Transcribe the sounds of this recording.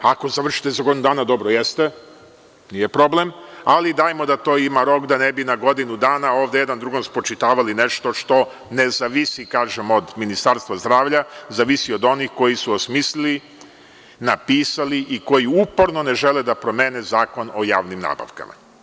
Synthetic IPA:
ako̞zaʋr̩ʃi̥t̪ezaɡo̞d̪inud̪aːnad̪o̞bɾojest̪e | nijepɾo̞blemalid̪aːjmo̞d̪at̪o̞ːimaɾo̞ːkd̪anebinaɡo̞d̪inud̪aːnao̞ːʋd̪ejed̪and̪ɾuɡonspɾot͡ʃit̪aːʋalineʃt̪o̞ʃt̪o̞ | ne̞zaʋisikaːʒemo̞d̪minist̪aːɾst̪ʋazd̪ɾaːʋʎazaʋisio̞d̪o̞nixko̞jisuosmiːslili | napiːsaliʔiko̞jiupoɾno̞ne̞ʒeled̪apɾo̞meːnezaːko̞nojaːʋnimna̰ːba̰ʋka̰mʔa̰

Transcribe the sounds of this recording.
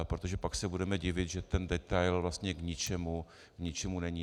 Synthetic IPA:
pɾot̪o̞ʒɛpaksɛbudɛmɛɟɪvɪt̪ʒɛt̪ɛndɛt̪ajlvlast̪ɲɛɡɲɪt͡ʃɛmu | kɲɪt͡ʃɛmunɛɲi

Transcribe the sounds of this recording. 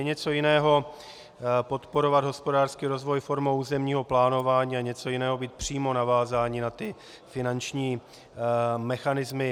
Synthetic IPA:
jɛɲɛt͡so̞jɪnɛːɦo̞ | po̞t̪po̞ɾo̞vad̪ɦo̞spo̞daːr̥skiːɾo̞zvo̞jfo̞ɾmowuːzɛmɲiːɦo̞plaːno̞vaːɲiːaɲɛt͡so̞jɪnɛːɦo̞biːt̪̚pr̝̥iːmo̞navaːzaːɲɪnat̪ɪ | fɪnant͡ʃɲiː | mɛxanɪzmɪ

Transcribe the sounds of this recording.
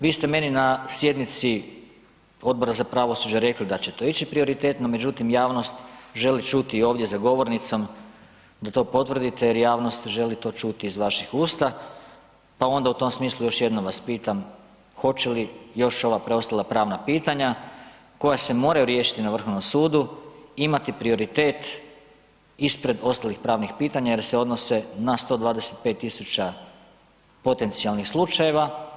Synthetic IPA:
ʋiːst̪e̞me̞ninasje̞d̪nit̪si | o̞d̪̚bo̞ɾazapɾaʋo̞sud͡ʑaɾe̞klid̪at͡ɕe̞t̪o̞ːit͡ʃipɾio̞ɾit̪e̞t̪no̞me̞d͡ʒut̪imjaːʋno̞st̪ʒe̞lit͡ʃut̪iːo̞ːʋd̪jezaɡo̞ʋo̞ɾnit̪so̞m | d̪at̪o̞po̞t̪ʋr̩d̪it̪e̞jeɾjaːʋno̞st̪ʒe̞lit̪o̞ːt͡ʃut̪iːzʋaʃixuːst̪a | pao̞nd̪aut̪o̞msmiːslˠujo̞ʃje̞d̪nomʋaspiːt̪am | xo̞t͡ɕelijo̞ʃo̞ʋapɾeo̞st̪alˠapɾaːʋnapiːt̪aɲa | ko̞jase̞mo̞ːɾajuɾje̞ːʃi̥t̪inaʋr̩xo̞ʋno̞msuːd̪uimat̪ipɾio̞ɾit̪e̞ːt̪ | ispɾe̞d̪o̞st̪alixpɾaːʋnixpiːt̪aɲaje̞ɾseo̞d̪no̞se̞nast̪o̞ːd̪ʋaːd̪e̞se̞t̪̚pe̞t̪ːisut͡ɕa | po̞t̪e̞nt̪sialnixslˠut͡ʃaje̞ʋa

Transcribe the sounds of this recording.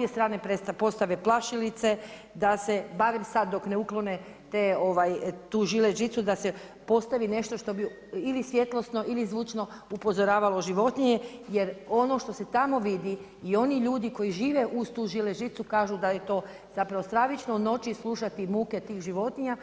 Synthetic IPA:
objest̪ɾaːnepɾest̪apo̞st̪aʋeplˠaʃilit̪se̞ | d̪ase̞baʋimsad̪̚d̪o̞kne̞uklˠo̞ne | t̪eːo̞ʋajt̪uːʒileʒit̪sud̪ase̞ | po̞st̪aʋine̞ʃt̪o̞ʃt̪o̞bi | ilisʋje̞t̪lˠo̞sno̞ʔilizʋut͡ʃno̞ | upo̞zo̞ɾaːʋalˠo̞ʒiʋo̞t̪niɲejeɾo̞no̞ʃt̪o̞se̞t̪amo̞ʋid̪iː | o̞niʎuːd̪iko̞jiʒiːʋeʔuzt̪uːʒileʒit̪sukaːʒud̪ajet̪o̞ː | z̥apɾaʋost̪ɾaʋit͡ʃnouno̞t͡ʃislˠuʃat̪imuːke̞t̪iːɣʒiʋo̞t̪niɲa

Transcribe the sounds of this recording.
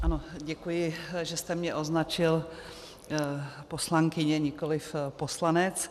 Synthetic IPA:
ʔano̞ɟɛkujɪʒɛst̪ɛmɲɛʔo̞znat͡ʃɪl | po̞slaŋkɪɲɛɲɪkolɪfpo̞slanɛt͡s

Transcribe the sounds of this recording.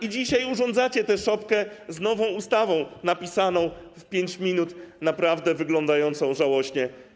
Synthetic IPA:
id͡ʑiɕajuʐɔ̃nd̪zat͡ɕɛt̪ɛʂɔpkɛznɔvɔ̃w̃ust̪avɔ̃w̃napʲisanɔ̃w̃fpʲjeɲt͡ɕmʲinut̪napɾavd̪ɛvɘɡlɔ̃nd̪ajɔnt̪sɔ̃w̃ʐawɔɕɲɛ

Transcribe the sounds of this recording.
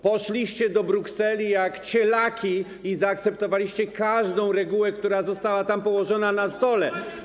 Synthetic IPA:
pɔʂlʲiɕt͡ɕɛd̪ɔbɾuksɛlʲijakt͡ɕɛlakʲi | izaːk̚t̪sɛpt̪ɔvalʲiɕt͡ɕɛkaʐd̪ɔ̃w̃ɾɛɡuwɛkt̪uɾazɔst̪awat̪ampɔwɔʐɔnanast̪ɔlɛ

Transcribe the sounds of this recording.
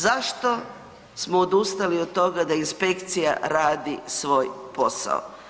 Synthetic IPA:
zaʃt̪o̞ | smoːd̪ust̪aliod̪̚t̪ːo̞ɡad̪ainspe̞kt̪sija̰ɾaːd̪isʋo̞ːjpo̞sa̰o̰

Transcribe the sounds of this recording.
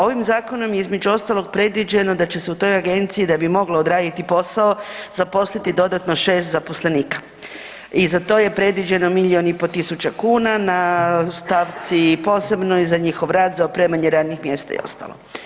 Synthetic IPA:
o̞ʋimzaːko̞no̞mjeizme̞d͡ʒuo̞st̪alo̞ɡ̚pɾe̞d̪ʋid͡ʑe̞no̞d̪at͡ɕese̞ut̪o̞jaɡe̞nt̪siid̪abimo̞ɡlaod̪ɾaːd̪it̪ipo̞sao̞zapo̞slit̪id̪o̞d̪at̪no̞ʃe̞ːst̪zapo̞sle̞niːkḁ | izat̪o̞je̞pɾe̞d̪ʋid͡ʑe̞no̞miʎionipo̞t̪isut͡ɕakuːnanast̪aʋt̪sipo̞ːse̞bno̞izaɲixo̞ʋɾaːt̪zaopɾemaɲeɾaːd̪nixmje̞st̪a̰ḭo̞̰st̪a̰lˠo

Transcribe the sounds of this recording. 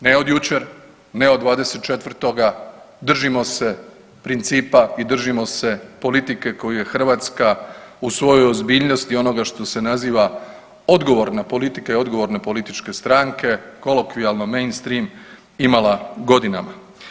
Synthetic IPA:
neo̞d̪jut͡ʃe̞ɾ | neod̪ʋaːd̪e̞set̪̚t͡ʃe̞t̪ʋr̩t̪o̞ɡa | d̪r̩ʒimo̞se̞ | pɾint̪siːpaid̪r̩ʒimo̞se̞po̞lit̪ike̞ko̞juje̞xr̩ʋaːt̪skausʋo̞jojozbiːʎno̞st̪io̞no̞ɡaʃt̪o̞se̞naziːʋa | od̪ɡo̞ʋo̞ɾnapo̞lit̪ikaio̞d̪ɡo̞ʋo̞ɾnepo̞lit̪it͡ʃke̞st̪ɾaŋke̞ko̞lokʋialˠnome̞jnst̪ɾiːm | imalˠaɡo̞d̪inama

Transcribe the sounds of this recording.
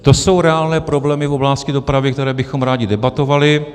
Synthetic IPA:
t̪o̞so̞wɾɛaːlnɛːpɾoblɛːmɪfo̞blascɪdo̞pɾavjɪk̚t̪ɛɾɛːbɪxomɾaːɟɪdɛbat̪o̞valɪ

